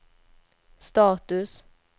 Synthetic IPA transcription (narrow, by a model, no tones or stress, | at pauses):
st̪ɑːt̪ʉs